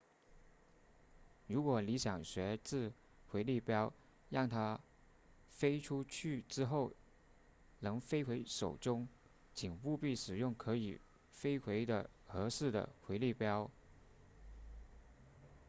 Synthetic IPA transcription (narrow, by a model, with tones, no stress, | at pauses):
ɻu˧˥kwɔ˨˩li˧˥ɕjɑ˨˩ŋɕɥɛ˧˥t͡sɹ̩˥˩ | xwe˧˥ɪli˥˩pjɑ˥ʊ | ɻɑ˥˩ŋt̪ʰa˥ | fe˥ɪʈ͡ʂʰu˥t͡ɕʰy˥˩ʈ͡ʂɻ̩˥xo˥˩ʊ | nɤ˧˥ŋfe˥ɪxwe˧˥ɪʂo˨˩ʊʈ͡ʂʊ˥ŋ | t͡ɕʰi˨˩ŋpu˥˧pi˥˩ʂɻ̩˨˩jʊ˥˩ŋkʰɤ˧˥i˨˩ | fe˥ɪxwe˧˥ɪd̪ə̰˨ | xɤ˧˥ʂɻ̩˥˩d̪ə̰˩xwe˧˥ɪli˥˩pjɑ˥ʊ